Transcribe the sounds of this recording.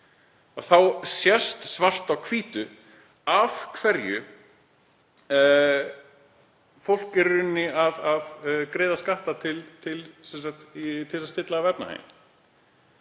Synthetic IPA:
aθawsjɛ̥st̪svar̥t̪awkʰviːt̪ʏ | avkʰvɛɾjʏ | fowl̥kɛɾʏnːɪaðaðkɾeːjðaskaht̪at̪ʰɪlt̪ʰɪlsɛnsaht̪it̪ʰɪlsast̪ɪt̪laɣavɛp̚na̰hḛːjn

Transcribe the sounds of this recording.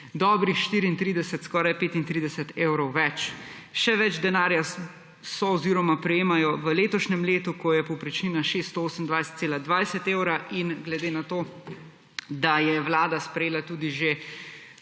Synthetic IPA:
d̪ɔbɾixʃt̪iːɾiːnt̪ɾiːd̪ɛsɛt̪skɔːɾajpeːt̪int̪ɾiːd̪ɛsɛt̪eːwɾɔwʋɛt͡ʃ | ʃɛʋɛd͡ʒd̪ɛnaːɾja | sɔɔziːɾɔmapɾɛjeːmajɔʋəleːt̪ɔʃnɛmleːt̪ukɔjɛpɔwpɾit͡ʃniːnaʃest̪ːt̪ɔoːsəmnd̪ʋajsɛ̥t̪seːlad̪ʋajsɛt̪ewɾaʔinɡlɛd̪eːnat̪oː | d̪ajɛwlaːd̪aspɾɛjeːlat̪uːd̪iʒe

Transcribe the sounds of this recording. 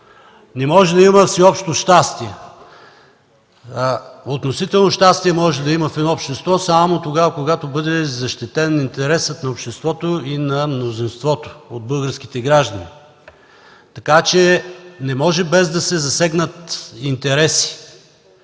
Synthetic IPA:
nɛmɔʒɛd̪ɐiməfsɛɔpʃt̪oʃt̪ast̪iɛ | ot̪nosit̪ɛlˠnoʃt̪ast̪iɛmɔʒɛd̪ɐiməfɛd̪nɔopʃt̪ɛst̪vɔsamot̪oɡavɐkoɡat̪obɤd̪ɛzɐʃt̪it̪ɛnːint̪ɛɾɛsət̪nɐopʃt̪ɛst̪vɔt̪oinɐmnozinst̪vɔt̪o̥od̪̚bɤlˠɡəɾsk̟i̥t̪ɛɡɾaʒd̪ɐnḭ | t̪ɐkat͡ʃɛnɛmɔʒɛbɛzd̪ɐsɛzɐsɛɡnət̪int̪ɛɾɛsi̥

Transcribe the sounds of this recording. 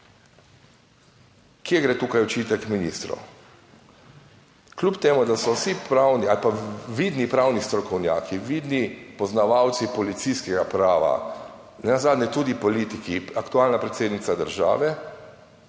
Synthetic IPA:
kjɛɡɾeːt̪uːkajɔt͡ʃit̪ɛkminiːst̪ɾo̰ | klʲupt̪eːmud̪asɔsipɾaːwnialpaʋid̪nipɾawnist̪ɾɔkɔwnja̰ːkʰiʋid̪nipɔznaʋawt̪sipɔlit̪sijskɛɡapɾaːʋa̰ | nɛnazaːd̪nʲɛt̪uːd̪ipɔliːt̪ikiakt̪uaːlnapɾɛt̪seːd̪nit̪sad̪əɾʒa̰ːʋɛ

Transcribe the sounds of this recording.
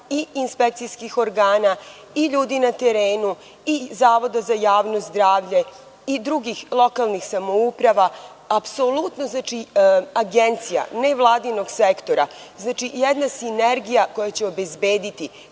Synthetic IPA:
iinspek̚t̪sijskixo̞ɾɡaːna | iʎuːd̪inat̪eɾeːnu | izaːʋo̞d̪azajaːʋnozzd̪ɾaːʋʎe̞ | id̪ɾuɡixlˠo̞kalˠnixsamo̞upɾaʋa | apso̞lut̪no̞znaːt͡ʃiaɡe̞nt̪sija̰neʋlˠaːd̪ino̞ɡsekt̪o̞ɾaznaːt͡ʃijed̪nasineɾɡijako̞jat͡ɕeo̞be̞zbeːd̪it̪i

